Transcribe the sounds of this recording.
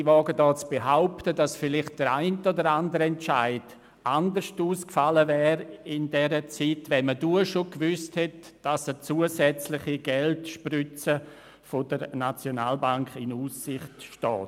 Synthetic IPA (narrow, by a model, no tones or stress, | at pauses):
ivɔːɡədɔːt͡sb̥eɦaʊptədasfɪlɪχt̚d̥əɾaɪntəodəɾandəɾəɛnt͡ʃaɪd̥ | ʔandəɾʃtuːskfaləvɛːɾɪndɛɾət͡sitvɛnməduːəʃokvʏsthɛtd̥asət͡suːəsɛt͡slɪχiɡ̥ɛltʃprʏt͡sə | fodəɾnat͡sjonaːlbaŋkɪnuːsːɪχtʃtɔ̰ːt